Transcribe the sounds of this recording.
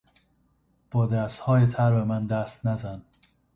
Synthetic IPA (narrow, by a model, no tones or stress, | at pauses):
b̥ɒːd̪æst̪hɒːjet̪ʰæɾbemænd̪æst̪næzæn